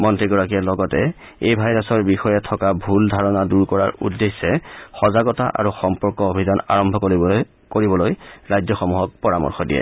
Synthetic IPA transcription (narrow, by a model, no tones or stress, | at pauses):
mɔntɹiɡɔɹakiɛlɔɡɔtɛ | ejbʱajɹasɔɹbixɔjɛtʰɔkabʱuldʱaɹɔnaduɹkɔɹa̰ɹṵdːesːɛxɔzaɡɔtaʔa̰ɹuxɔmpɔɹkɔobʱizana̰ɹɔmbʱɔk | koɹibɔlojɹajzɔxɔmuɦɔk̚pɔɹamɔ̰ɹxɔdijɛ̰